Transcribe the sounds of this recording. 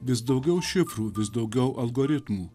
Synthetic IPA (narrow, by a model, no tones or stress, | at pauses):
ʋʲɪs̬d̪ɐʊɡʲɛʊʃʲɪpɾuːʋʲɪsd̪ɐʊɡʲɛʊʔɐlˠɡɔːɾʲɪt̪muː